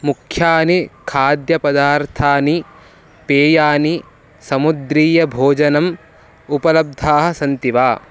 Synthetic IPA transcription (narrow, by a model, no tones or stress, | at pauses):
mukʰjaːnikʰaːd̪jɐpɐd̪aːɾt̪ʰaːni | peːjaːni | sɐmud̪ɾiːjɐbʱoːd͡ʒɐnɐm | upɐlɐb̚d̪ʱaːɦɐ̆sɐnt̪iʋaː